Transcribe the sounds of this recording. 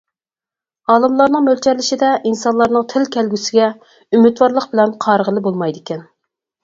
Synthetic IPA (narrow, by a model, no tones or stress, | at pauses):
ɑːlˠɨmlˠɑɾnɨŋmølt͡ʃʰɛɾlɪʃid̪ɛʔinsɑnlˠɑɾnɨŋt̪ʰɪlkʲʰɛlɡʲysɪɡʲɛ | ymyt̪wɑɾlˠəqbɪlɛnqʰɑɾəʁəlˠɨbolˠmɑjd̪ɪkʲʰɛn